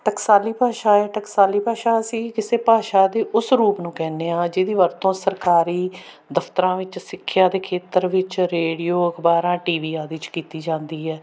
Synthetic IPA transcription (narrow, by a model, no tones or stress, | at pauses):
ʈəksaːliːpaːʃaːɛːʈəksaːliːpaːʃaːəsĩːkɪseːpaːʃaːd̪eːʔʊsɾuːpnũːkɛːneːãːd͡ʒɪd̪iːʋəɾt̪õːsəɾkaːɾiː | d̪əft̪əɾãːʋɪt͡ʃsɪkʰːjaːd̪eːkʰeːt̪əɾʋɪt͡ʃɾeːɽijoːəkʰbaːɾãːʈiːʋiːaːd̪ɪt͡ʃkiːt̪iːd͡ʒãːnd̪iːɦɛː